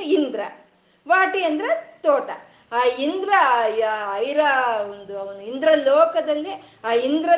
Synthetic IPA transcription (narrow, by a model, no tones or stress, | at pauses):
ind̪ɾɐ | ʋaːʈiɐnd̪ɾet̪oːʈɐ | aːind̪ɾɐ | ɐjɾɐond̪unind̪ɾɐlɔːkɐd̪ɐlːi | aːind̪ɾɐ